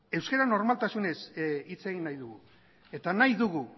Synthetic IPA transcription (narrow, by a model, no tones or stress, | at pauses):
e̞wskeɾano̞ɾmalt̪asune̞sit͡se̞ɣinːajðuɣu | e̞t̪anajðuɣu